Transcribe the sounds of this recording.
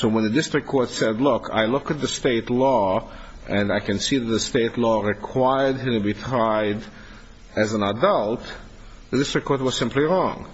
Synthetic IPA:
soʊwə̃nðɨdɪstɹ̥ɨkʰːɔɹtsɛdˡlʊkʰa̰ɪlʊkɨt̪̚ðɨsteɪtˡlɔ | ʔɨ̃naɪkɨ̃nsiðɨt̪̚ðɨsteɪtˡlɔɹɨkʰw̥aɪə˞d̚ɨ̃mtɨbitʰɹaɪd | ɨzə̃nədʌlˠt | ðɨdɪstɹ̥ɨkʰːɔɹt̚wʌz̥sɪ̃mpliɹɔ̃ŋ

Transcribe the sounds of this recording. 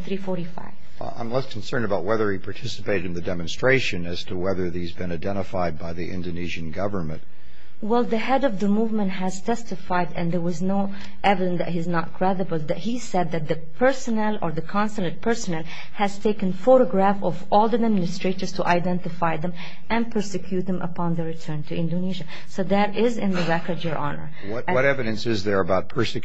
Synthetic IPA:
θɹifɔɹɾifa̰ɪv | ã̰ɪ̃mlɛskʰn̩sɜ̃˞ndəbaʊʔ̚wɛðə˞ipʰɑɹtʰɪsə̥peɪɾɨɾɨ̃n̩ðɨdɛmɨ̃n̩stɹ̥eɪʃɨ̃nɨz̥tʰəwɛðə˞ðizbɨ̃naɪdɛ̃ɾ̃əfaɪd̚baɪðiʔɪ̰̃ndoniʒɨ̃nɡʌvə˞nmɨ̰̃nt̚ | wɛlˠðəɦɛdɔvðəmuvmə̃ntɦæz̥tʰɛstɨfaɪdɨ̃nðə˞wɑznoʊ | ʔɛvɨɾə̃nðæthiznət̚kʰɹ̥ɛɾəbəlˠðæt̚hisɛd̪̚ðæt̪̚ðɨpʰɜ˞sənɛlˠə˞ðɨkʰɑ̃nsələ̃nt̚pʰɜ˞sɔnɛlˠ | hæz̥tʰeɪkɨ̃nfoɾəɡɹæfɔvɔlˠðidmɪnɨstɹ̥eɪɾə˞z̥tʰuʔaɪdɛ̃ntɨfaɪðɛ̃m | ʔæ̃n̚pʰɜ˞sɪkʰj̥uːt̪̚ðɛ̃mʔə̰pʰɑ̃nðəɹɨtʰɜ̃˞ntʰɨʔɪ̃ndoniʒa | soðæɾɪzɪ̃nðəɹɛkə˞dəɹʔɑ̰nə̰˞ | twʌɾɛvɨɾɨ̃nsɪzðə˞əbaʊt̚pʰɜ˞sɨk

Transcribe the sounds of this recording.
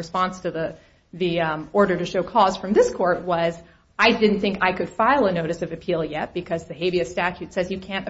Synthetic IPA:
ɨspɑ̃nstʰɨðə | ðiɔɹɾə˞ɾɨʃoʊkʰɔz̥fɹʌ̃mðɪskʰɔɹt̚wʌz | ʔaɪdɪdⁿn̩θɪ̃ŋka̰ɪkɨd̥faɪlˠənoʊɾɨsʌvɨpʰilˠjɛt̚b̥ɨkʰʌzðɨɦeɪviɨstæt͡ʃʉtsɛzjɨkʰæ̃nt

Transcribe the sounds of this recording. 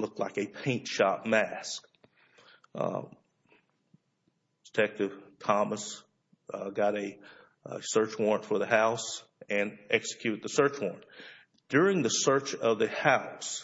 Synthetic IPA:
lʊk̚tʰlaɪkɨpʰẽɪ̃ntʃɑp̚mæsk̚ | d̥ətʰɛk̚tɨv̥tʰɑməs | ɡɑɾɨ | sɜ˞t͡ʃwɔɹ̃nfə˞ðɨhaʊs | ɨ̃nɛksɨ̥kʰj̥ʉɾɨd̪̚ðəsɜ˞t͡ʃwɔ̰ɹn | d̥ʊɹɪ̃ŋðɨsɜ˞t͡ʃʌvðɨhaʊs

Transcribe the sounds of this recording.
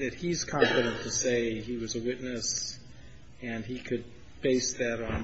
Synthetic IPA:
ðɨt̚hiz̥kʰɑ̃ɱfɨɾə̃ntʰɨseɪiwʌzɨwɪtⁿnɨs | ɨ̃nikʰɨd̚ | b̥eɪsðɨɾn̩

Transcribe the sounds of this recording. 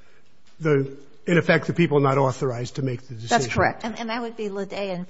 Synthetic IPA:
ðo | ɨ̃ɾ̃ɨfɛk̚t̪̚ðɨpipl̩ˠnəɾɔθə˞aɪztʰɨmeɪk̚ðɨdɨsðæɪsʒkʰə˞ɛ̰k̚tnɨ̃nðɨt̚wɨd̚bilədeɪɨ̃n

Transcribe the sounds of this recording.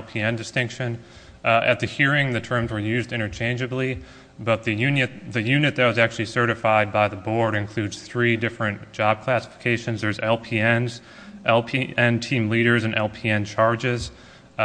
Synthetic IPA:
lˠpʰiɛ̃ndɨstɪ̃ŋkʃɨ̃n | ʔɨ̰t̪̚ðɨhiɹɪ̃ŋðɨtʰɜ̃˞mzwə˞jʉzdɪ̃ɾ̃ə˞t͡ʃʰẽɪ̃nd͡ʒɨbli | bʌt̪̚ðɨjʉnɨt̚ðɨjʉnɨt̪̚ðɨt̚wʌzæk̚t͡ʃʉl̩ˠisɜ˞ɾɨfaɪd̚baɪðəbɔɹɾɨ̃nkʰl̥ʉdz̥θɹidɪfɹɨ̃nd̥ʒ̥ɑb̚kʰl̥æsə̥fə̥kʰeɪʃɨ̃nzðə˞zɛlˠpʰiɛ̃nz | ʔɛlˠpʰiʔɛ̃ntʰĩmliɾə˞zɨ̃nʔɛlˠpʰiɛ̃nt͡ʃʰɑɹd͡ʒɪz̥

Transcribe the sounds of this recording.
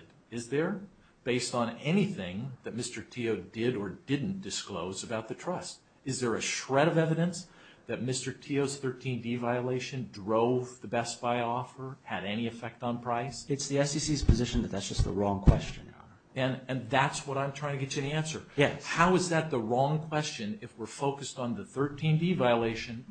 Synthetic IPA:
ɾ | ɨzðə˞ | b̥eɪstn̩ɛniθɪ̃ŋðɨt̚mɪstə˞tʰioʊdɪɾə˞dɪdⁿn̩d̥ɨskloʊzɨbaʊt̪̚ðɨtʰɹ̥ʌst̚ | ɨzðə˞ɨʃɹɛɾʌvɛvɨɾɨ̃ns | ðɨt̚mɪstə˞tʰioʊz̥θɜ˞tʰĩndivaɪɨleɪʃɨ̃ndɹoʊvðɨbɛs̚b̥aɪɔfə˞ɨɾɛñiɨfɛk̚tn̩pʰɹ̥aɪsɨtsðiɛsisiz̥pʰɨzɪʃn̩ðɨt̪̚ðætsd̥ʒ̥ʌs̚ðə̰ɹɔ̃ŋkʰw̥ɛst͡ʃɨ̰̃n | ɨ̃nɨ̃nðætswʌɾãɪ̃mtʰɹ̥aɪ̃ŋtɨɡɛt͡ʃɨɛniæ̃nsə˞jæhaʊɨzðɨt̪̚ðəɹɔ̃ŋkʰw̥ɛst͡ʃɨ̃nɪfwɪɹfoʊkɨstn̩ðɨθɜ˞tʰĩndivaɪəleɪʃɨ̃n

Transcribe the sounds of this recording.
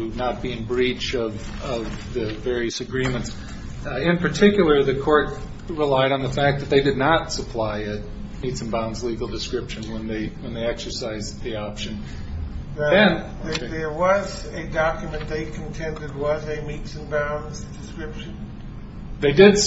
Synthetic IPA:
ʉnət̚b̥iɨ̃nbɹit͡ʃʌv | ʌvðɨvɛɹiɨsɨɡɹĩmɨ̃nts | ɪ̃npʰə˞tʰɪkjl̩ˠə˞ðɨkʰɔɹt̚ | ɹɪlaɪɾn̩ðəfæk̚ðɨt̪̚ðeɪdɨdⁿnətsəpʰl̥aɪɨt̚mitsɨ̃nbãʊ̃nzliɡl̩ˠdɨskɹɪpʃɨ̃nwə̃nðeɪwə̃nðeɪɛksə˞saɪzðiɑpʃɨ̃n | ɨ̃n | ðə˞wʌzɨdɑkjmɨ̃nðeɪkʰn̩tʰɛ̃ndɨd̚wʌzɨmitsɨ̃nbãʊ̃nzdɨskɹɪpʃɨ̃n | ðeɪdɪd

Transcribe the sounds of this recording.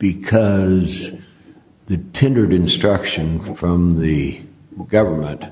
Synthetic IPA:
b̥ɨkʰʌz | ðɨtʰɪ̃ndə˞ɾɨ̃nstɹ̥ʌkʃɨ̃nfɹʌ̃mðɨ | ɡʌvə˞mə̃nt

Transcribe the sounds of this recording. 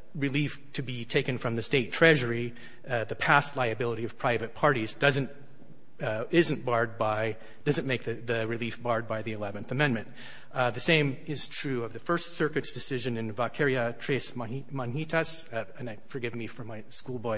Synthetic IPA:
ɹɨliftʰɨbitʰeɪkɨ̃nfɹʌ̃mðɨsteɪtʰɹ̥ɛʒə˞i | ðɨpʰæstˡlaɪɨbɪlˠəɾiʌv̥pʰɹ̥aɪvɨt̚pʰɑɹɾizdʌzɨ̃nt | ɪzɨ̃nb̥ɑɹd̚baɪ | d̥ʌzɨ̃nmeɪk̚ðɨðɨɹɨlifb̥ɑɹd̚baɪðiɨlɛvɨ̃nθɨmɛ̃nmɨ̃nt̚ | ðɨsẽɪ̃mɪz̥tʰɹ̥ʉʌvðɨfɜ˞stsɜ˞kɨtsd̥ɨsɪʒɨ̃nɨ̃nvɑkʰɛɹiɨtʰɹ̥eɪsmmɑ̃nhiɾʰəs | ɨ̃naɪfə˞ɡɪvmifʌ˞maɪskulˠbɔɪ

